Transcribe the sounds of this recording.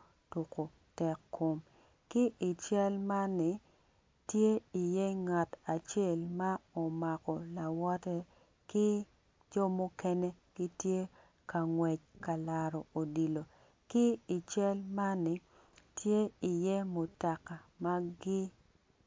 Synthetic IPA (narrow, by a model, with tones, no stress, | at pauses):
tu˨ko˨ | tɛ˨kːo˨m | kɪ˦ʔɪ˨t͡ʃɛ˦lma˦nːɪ˨ | tje˦i˨je˦ŋa˨ta˨t͡ʃe˦˨lma˦o˨ma˨kɔ˨la˨wɔ˦tɛ˦ | kɪ˦ | d͡ʒɔ˦mo˦kɛ˦ne˦kɪ˦tje˦ | ka˨ŋwɛ˨t͡ʃka˨la˨ɾɔ˨o˨di˨lo˨ | kɪ˦ɪ˨t͡ʃɛ˦lma˦nɪ˨ | tje˦i˨je˦mo˨ta˨ka˨ma˦ɡɪ˦